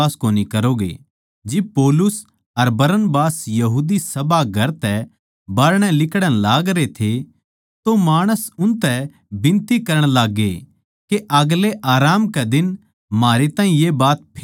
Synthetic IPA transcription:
aːskoːnikɐɾoːɡḛ | d͡ʒɪb̚poːlʊs | ɐɾbɐɾənbaːsjɐɦuːd̪isɐbaɡʱɐɾt̪ɛ | baːɾɽ̃ɛ̃lɪkɽə̃laːɡɾet̪ʰe | t̪omaːɽ̃əsʊnt̪ɛ | bɪ̃nt̪ikɐɾəɽ̃laːɡːe | keʔɐɡleʔaːɾaːmkɛd̪ɪn | maːɾet̪aːɦĩjebaːt̪̚pʰ

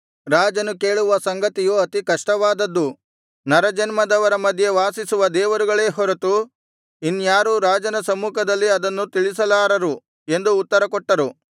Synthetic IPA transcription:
ɾaːd͡ʒɐnuke̞ːɭuʋɐsɐŋɡɐt̪ijuɐt̪ikɐʂʈɐʋaːd̪ɐd̪ːu | nɐɾɐd͡ʒɐnmɐd̪ɐʋɐɾɐmɐd̪ʱje̞ʋaːsisuʋɐd̪ɛːʋɐɾuɡɐɭe̞ːɦɔɾɐt̪u | inːjaːɾuɾaːd͡ʒɐnɐsɐmuːkʰɐd̪ɐlːiɐd̪ɐnːut̪iɭisɐlaːɾɐɾu | e̞nd̪uːt̪ːɐɾɐkɔʈːɐɾu

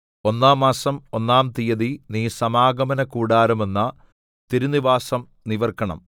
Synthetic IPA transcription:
o̞nːaːmːaːsɐmo̞nːaːmt̪ijɐðiniːsɐmaːɡɐmɐnɐkuːɽaːɾumenːɐ | t̪iɾuniʋaːsɐm | niʋɐrkɐɳɐ̰m

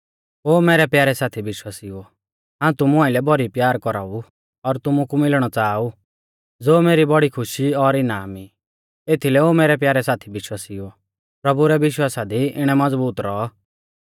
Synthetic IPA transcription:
ɦoːmeːɾɛpjaːɾɛsaːt̪ʰibɪʃwaːsio | ɦãːũt̪ʊmuaːɪlɛbɔɾipjaːɾkɔɾa̰u | ɔɾt̪ʊmukumɪlɽ̃ɔt͡saːu | d͡zoːmeːɾibɔɽikʰʊʃiɔɾɪnaːmi | eːt̪ʰilɛoːmeːɾɛpjaːɾɛsaːt̪ʰibɪʃwaːsio | pɾɐbuɾɛʋɪʃwaːsad̪iɪɽ̃ɛmɐd͡zbuːt̪ɾɔː

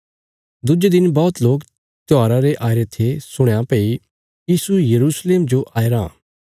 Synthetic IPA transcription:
d̪ʊd͡ʒed̪ɪnbɔːt̪loːk | t̪ɪaːɾaɾeʔaːɾet̪ʰesʊɽ̃ãpeːi | jiːsujɐɾuːsleːmd͡ʒoʔaːeɾã̰

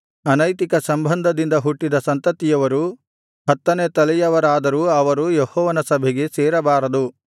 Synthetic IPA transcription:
ɐnɐjt̪ikɐsɐmbʱɐnd̪ʱɐd̪ind̪ɐɦuʈːid̪ɐsɐnt̪ɐt̪ːijɐʋɐɾu | ɦɐt̪ːɐneːt̪ɐlijɐʋɐɾaːd̪ɐɾuɐʋɐɾujehɔːʋɐnɐsɐbʱɛɡe̞seːɾɐbaːɾɐd̪u

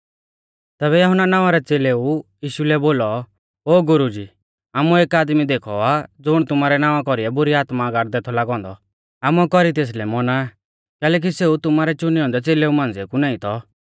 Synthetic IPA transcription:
t̪ɛːβɛjɐɦʊnːanaːʋ̃aɾɛt͡seːleujiːʃulɛboːlɔ | oːɡʊɾud͡ʒiː | aːmueːkaːd̪mid̪eːkʰɔad͡zʊɽ̃t̪ʊmaːɾɛnaːʋakɔɾiɛbʊɾiaːt̪maɡaʈd̪eːt̪ʰɔlaːɡɔ̃ːnd̪ɔ | aːmuɛkɔɾit̪̬eːs̬lɛmɔna | kɛːlɛːk̬iseut̪ʊmaːɾɛt͡ʃʊniɔ̃ːnd̪ɛt͡seːleumãːnd͡zɛkunãːĩt̪ɔ

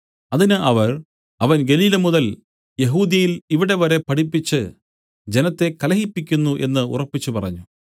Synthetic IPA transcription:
ɐðinɨʔɐʋɐr | ɐʋɐnɡe̞liːlɐmuðɐl | je̞ɦuːðjɐjiliʋiɽe̞ʋɐɾe̞pɐʈipːit͡ɕːɨ | d͡ʑe̞nɐt̪ːe̞kɐlɐɦipːikʲːunːuʔe̞nːɨṵrɐpːit͡ɕːupɐrɐ̰ɲːu

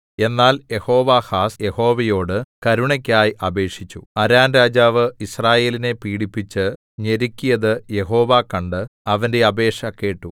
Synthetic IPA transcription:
e̞nːaːlje̞ho̞ːʋaːhaːsje̞ho̞ːʋɐjo̞ːɽɨkɐɾuɳɐkʲːaːjiʔɐbe̞ːʂit͡ɕːṵɐɾaːnɾaːd͡ʑaːʋɨisraːje̞ːline̞piːɽipːit͡ɕːɨ | ɲe̞ɾikʲːijɐðɨje̞ɦo̞ːʋaːkɐɳɖɨɐʋɐnde̞ɐbe̞ːʂɐkːe̞ːʈːu

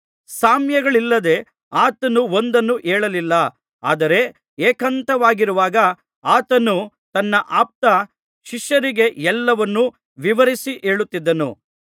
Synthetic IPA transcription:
saːmjɐɡɐɭilːɐd̪e̞ | aːt̪ɐnuo̞nd̪ɐnːuʔeːɭɐlilːɐ | a̰ːd̪ɐɾe̞ | eːkɐnt̪ɐʋaːɡiɾuʋaːɡɐ | aːt̪ɐnu | t̪ɐnːɐʔaːp̚t̪ɐ | ʃiʃjɐɾiɡe̞ɛlːɐʋɐnːu | ʋiʋɐɾisiʔeːɭut̪ːid̪ːɐnṵ

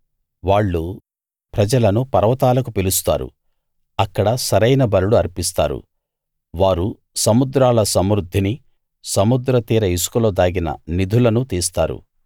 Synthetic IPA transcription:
ʋaːɭːu | pɾɐd͡ʒɐlɐnupɐɾɐʋɐt̪aːlɐkupilust̪a̰ːɾṵ | ɐkːɐɽɐsɐɾɐjnɐbɐɾuɽuɐɾpist̪a̰ːɾṵ | ʋaːɾu | sɐmud̪ɾaːlɐsɐmɾud̪ʱːini | sɐmud̪ɾɐt̪iːɾɐisu̥kuloːd̪aːɡinɐ̰nid̪ʱulɐnut̪iːst̪a̰ːɾṵ

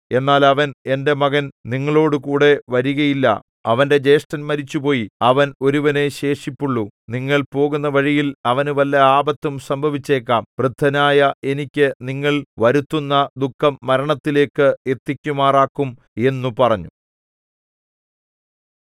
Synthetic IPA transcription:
e̞nːaːlɐʋɐne̞nde̞mɐɣɐnniŋːɐɭo̞ːɽɨkuːɽe̞ʋɐɾuɣɐjilːɐ̰ | ɐʋɐnde̞d͡ʑe̞ːʂʈɐnmɐɾit͡ɕːupo̞ːjiɐʋɐno̞ɾuʋɐne̞ɕe̞ːʂipːuɭːuniŋːɐɭpo̞ːɣunːɐʋɐɻijilɐʋɐnuʋɐlːɐaːbɐt̪ːumsɐmbʱɐʋit͡ɕːe̞ːkːaːmprɨd̪ʱɐnaːjɐe̞nikʲːɨniŋːɐɭʋɐɾut̪ːunːɐd̪ukʰːɐmːɐɾɐɳɐt̪ːile̞ːkːɨe̞t̪ːikʲːumaːraːkːum | e̞nːupɐrɐɲːu

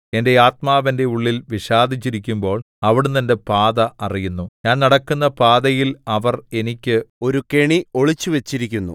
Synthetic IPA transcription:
e̞nde̞aːt̪̚maːʋɐnde̞uɭːilʋiɕaːd̪ʱit͡ɕːiɾikʲːumbo̞ːɭ | ɐʋiɽet̪ɐnde̞paːðɐʔɐrijunːuɲaːnnɐɽɐkːunːɐpaːðɐjilɐʋɐre̞nikʲːɨo̞ɾukeɳio̞ɭit͡ɕːuʋet͡ɕːiɾikʲːunːṵ

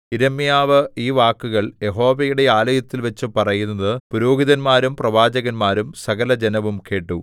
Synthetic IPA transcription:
iɾɐmijaːʋɨiːʋaːkːuɣɐɭje̞ɦo̞ːʋejuɽe̞aːlɐjɐt̪ːilʋɐt͡ɕːɨpɐrɐjunːɐðɨpuɾoːɡiðɐnmaːɾumprɐʋaːd͡ʑɐɣɐnmaːɾumsɐɣɐlɐd͡ʑenɐʋumke̞ːʈːu

